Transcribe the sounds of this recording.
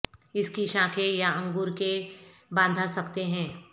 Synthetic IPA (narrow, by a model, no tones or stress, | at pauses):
ɪskiʃãːkʰejaɐ̃ŋɡuːɾkebãːnd̪ʱasɐkt̪eɦɛ̃ː